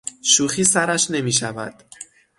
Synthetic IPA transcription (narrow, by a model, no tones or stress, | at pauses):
ʃuːxiːsæɾæʃne̞miːʃævæ̰d̪̥